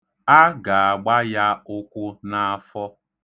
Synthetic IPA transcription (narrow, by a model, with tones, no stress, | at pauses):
a˦ɡa˨a˨ɡ͡ba˦ja˦ʊ˦kʷʊ˦na˦fɔ˦